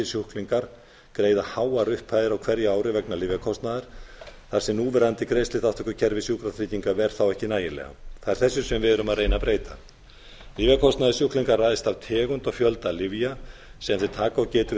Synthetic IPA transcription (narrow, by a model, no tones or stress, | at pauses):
ɪsjuhkliŋkaɾ̥ | kɾeːjðahaːwaɾʏhpʰaːjðɪɾawkʰv̥ɛɾjʏaːwɾɪvɛknaliːvakʰɔst̪naðɪɾ̥θaɾ̥sɛmnuːvɛɾant̪ɪkɾeːjst̪ɪht̪aft̪vɛkːʏcʰɛɾvɪsjuhkɾaθɾiːc̪iŋkavɛɾ̥θawɛhcɪnaːjɪlɛ̰ɣa̰θaɛɾ̥θɛsːʏsɛmvɪðʏɾʏmaðrejnapɾeːjt̪a̰ | liːvakʰɔst̪naðɪsjuhkliŋkaɾrajðɪst̪avt̪ʰɛːɣʏnt̪ɔɣfjœlt̪alɪvjasɛːanθɪt̪ʰaːkaɔcɛːt̪ʏ